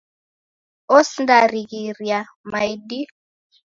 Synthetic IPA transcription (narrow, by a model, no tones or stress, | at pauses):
osndaɾiɣiɾja | majdi